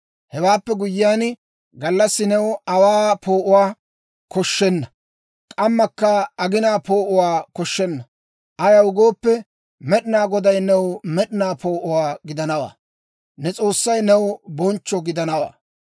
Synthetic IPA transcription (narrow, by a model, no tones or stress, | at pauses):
hɛwaːpːɛɡʊjɪjaːn | ɡɐlːɐsːɪnɛwɐwaːpʰoːʔʊwaː | kɔʃːɛnːɐ | kʼɐmːɐkːɐɐɡɪnaːpoːʔʊwaːkɔʃːɛnːɐ | ʔɐjɐʊɡo̞ːpːɛ | mɛɗɪnaːɡɔd̪ɐjnɛwmɛɗɪnaːpo̞ːʔʊwaːɡɪd̪ɐnɐwa̰ː | nɛt͡sʼo̞ːsːɐjnɛwbɔnt͡ʃːɔɡɪd̪ɐnɐwa̰ː